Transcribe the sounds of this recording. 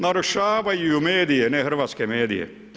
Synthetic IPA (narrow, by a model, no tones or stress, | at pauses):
nɐɾuʃaːbɐjjumeːd̪ijeneɦɐɾʋɐskemeːd̪ḭjḛ